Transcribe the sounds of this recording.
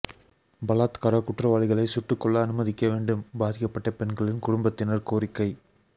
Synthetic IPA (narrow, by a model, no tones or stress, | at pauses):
bɐlaːt̪kɐɾɐkʊʈrɐʋaːɭɪɣɐɭɐɪsʊʈːɯkːɔɭːɐːnɯmɐðɪkːɐʋeːɳɖɯmbaːðɪkːɐpːɐʈːɐpɛnɡɐɭɪnkʊɽʊmbɐt̪ːɪnɐɾkoːɾɪkːɐɪ